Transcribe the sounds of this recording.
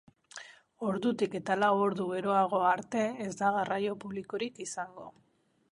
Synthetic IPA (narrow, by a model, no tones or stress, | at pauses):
o̞ɾðut̪ike̞t̪alawo̞ɾðuβe̞ɾo̞aɣ̞o̞aɾt̪e̞ezd̪aɣarajo̞puβliko̞ɾikisaŋɡo̞̰